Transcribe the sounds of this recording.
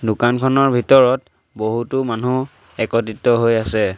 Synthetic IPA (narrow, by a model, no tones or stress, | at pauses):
dʊkankʰɔnɔɹbʱitɔɹɔt | boɦutʊmanu | ɛkɔtitɔɦojasɛ